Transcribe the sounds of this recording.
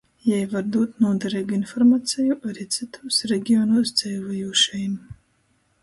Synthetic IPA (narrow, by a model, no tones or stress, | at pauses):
jɛjvaɾd̪uːt̪nuɔd̪aɾɛjɡinfɔɾmat̪sɛjuʔaɾiːt̪sɨt̪ʰuːsɾɛɡʲiɔnuːsd̪zɛlvajuːʃɛjm